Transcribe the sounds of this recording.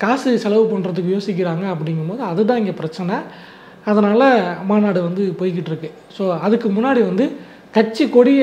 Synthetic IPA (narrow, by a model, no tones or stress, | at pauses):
kaːsɯsɛlɐʋɯpɐɳːɾɐðɯkːɯjoːsɪk̬ʲːɪɾaːŋɡɐːp̬ːɐɽɪŋɡɯmpoːðɯɐðɯt̪̬ãːɪŋɡepɪɾɐt͡ʃːɐnɐ | ɐðɐnaːlɐmaːnaːɽɯʋɐnd̪ɯpoːjk̬ːɪʈːɪɾɯkːɯ | soːɐðɯkːɯmʊnːaːɽiʋɐnd̪ɯ | kɐʈt͡ʃːikɔɽɪ